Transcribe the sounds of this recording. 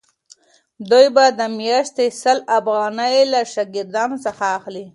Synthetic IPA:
d̪ujbad̪əmjɑʃt̪esəlafɣɑnəjlaʃɑɡɪɾd̪ɑnosəxaːxli

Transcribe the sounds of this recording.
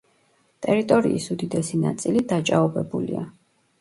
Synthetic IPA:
t̪ʼɛɾit̪ʼɔɾiisud̪id̪ɛsina̰t̪sʼilid̪at͡ʃʼaɔbɛbulia

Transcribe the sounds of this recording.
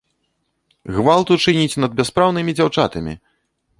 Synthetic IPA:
ɣvalˠt̪ut͡ʂɨnʲit͡sʲnɐd̪̚bʲɛspɾawnɨmʲid͡zʲawt͡ʂa̰t̪ɐmʲḭ

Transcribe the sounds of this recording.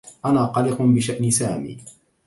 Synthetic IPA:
ʔanaːqɑlɪqʊbɪʃaʔnɪsaːmḭː

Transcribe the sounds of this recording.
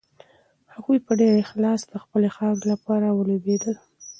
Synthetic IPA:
haɣujpəɖeɾexlɑsd̪əxpəlexɑɡlapɑɾawəlobed̪əl

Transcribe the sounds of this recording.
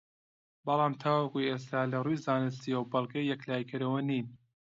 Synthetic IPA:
bɐlˠɑːmt̪ʰaːwɐkueːs̬t̪ʰaːlɐrujzaːnɨs̬t̪ijɐwbɐlˠkʰejɛklaːjkʰɨɾɐwɐniːn

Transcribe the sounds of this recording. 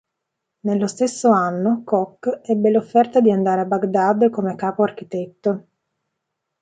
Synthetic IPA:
nelːost̪esːoanːokɔkːɛbːelofːɛrt̪ad̪iand̪aːɾeabːaɡd̪ad̪komekaːpoark̟it̪et̪ːo

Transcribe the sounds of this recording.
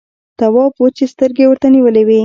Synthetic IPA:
t̪awɑpwət͡ʃest̪əɾɡewəɾt̪aniwəlewi

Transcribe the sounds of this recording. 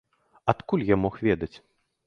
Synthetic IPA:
at̪kulʲjamɔxvʲɛd̪ɐt͡sʲ

